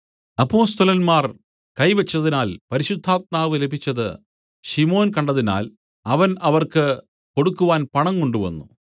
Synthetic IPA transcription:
ɐpːo̞ːst̪ɐlɐnmaːr | kɐjʋɐt͡ɕːɐðinaːlpɐɾiɕud̪ʱːaːt̪̚maːʋɨlebʱit͡ɕːɐðɨ̰ | ɕimo̞ːnkɐɳɖɐðina̰ːl | ɐʋɐnɐʋɐrkɨ | ko̞ɽukːuʋaːnpɐɳɐŋkoɳɖuʋɐ̰nːṵ

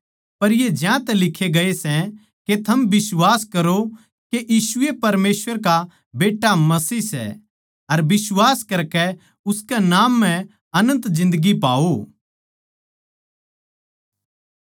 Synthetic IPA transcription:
pɐɾjed͡ʒjãt̪ɛlɪkʰːeɡɐesɛ̃ | ket̪ʰɐmbɪswaːskɐɾo | keʔjiːsʊepɐɾmeːsʋəɾka | beːʈːamɐsiːsɛ̰ | ɐɾbɪswaːskɐɾkɛ | ʊskɛnaːmːɛ̃ | ɐnə̃nt̪zɪ̃nd̪əɡipa̰ːo

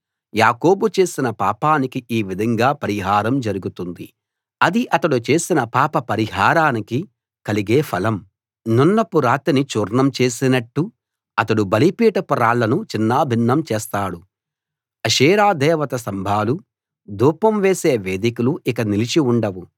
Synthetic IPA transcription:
jaːko̞ːbut͡ʃe̞ːsinɐpaːpaːnikiʔiːʋid̪ʱɐŋɡaːpɐɾiɦaːɾɐmd͡ʒɐɾuɡut̪und̪i | ɐd̪iʔɐt̪ɐɽut͡ʃe̞ːsinɐpaːpɐpɐɾiɦaːɾaːniki | kɐliɡeːpʰɐlɐm | nunːɐpuɾaːt̪init͡ʃuːɾɳɐmt͡ʃe̞ːsinɐʈːu | ɐt̪ɐɽubɐlipiːʈɐpuɾaːɭːɐnut͡ʃinːaːbʱinːɐmt͡ʃɛːst̪aːɽu | ɐʃiːɾaːd̪ɛːʋɐt̪ɐsɐmbʱaːlu | d̪uːpɐmʋe̞ːse̞ːʋe̞ːd̪ikuluʔikɐnilit͡ʃiuɳɖɐwu

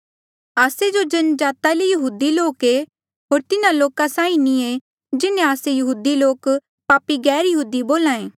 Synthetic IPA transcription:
aːsed͡ʒod͡ʒɐnəd͡ʒaːt̪alejɐɦuːd̪iloːke | ɦoːɾt̪ɪnãloːkãsãːĩnĩe | d͡ʒɪnẽaːsejɐɦuːd̪iloːk | paːpiɡɛːɾjɐɦuːd̪iboːlãːẽː

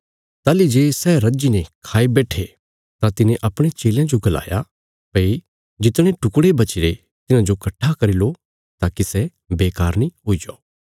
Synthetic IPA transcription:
t̪aːlid͡ʒeːsɛːɾɐd͡ʒinekʰaːibɛːʈʰe | t̪ãt̪ɪnẽʔɐpɽ̃et͡ʃeːljãd͡ʒoɡɐla̰ːja̰ | pɐi | d͡ʒɪt̪ɽ̃ẽʈʊkɽebɐt͡ʃɪɾe | t̪ɪnãd͡ʒokɐʈʰːakɐɾilo | t̪aːkisɛ | beːkaːɾnĩɦoːid͡ʒa̰o

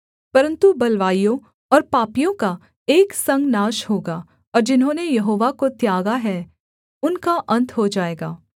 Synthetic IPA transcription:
pɐɾə̃nt̪ubɐlʋaːijõ | ɔːɾpaːpijõka | eːksɐ̃ŋɡnaːʃɦoːɡaː | ɔːɾd͡ʒɪnɦõːnejɐɦoːʋakot̪jaːɡaɦɛ | ʊnkaʔɐ̃nt̪ʰɦod͡ʒaːeːɡaː

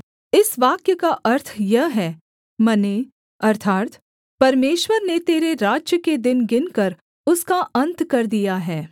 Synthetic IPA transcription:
ɪsʋaːkjəkaʔɐɾt̪ʰjɐɦɦɛː | mɐne | ɐɾt̪ʰaːt̪ | pɐɾmeːʃwəɾnet̪eːɾeɾaːd͡ʒjəked̪ɪnɡɪnkɐɾ | ʊskaɐ̃nt̪kɐɾd̪ijaɦɛː

